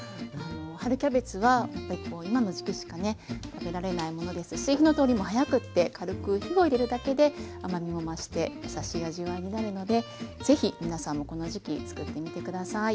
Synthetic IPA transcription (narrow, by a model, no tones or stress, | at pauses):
ano̞haɾɯ̟kʲabe̞t͡sɨβajapːaɾʲiko̞ːimano̞ʑikʲiɕi̥kane̞t̪abe̞ɾaɾe̞naimo̞no̞d̪e̞sɨɕiçino̞t̪o̞ːɾʲimo̞hajakɯ̟t̪ːe̞kʰaɾɯ̟kɯ̟çiɡo̞iɾe̞ɾɯ̟d̪ake̞d̪e̞amamʲimo̞maɕi̥t̪e̞jasaɕiaʑiβaiɲ̟inaɾɯ̟no̞d̪e̞z̥e̞çimʲinasãmːoko̞no̞ʑikʲit͡sɨ̥kɯ̟t̪ːe̞mʲit̪e̞kɯ̟d̪asai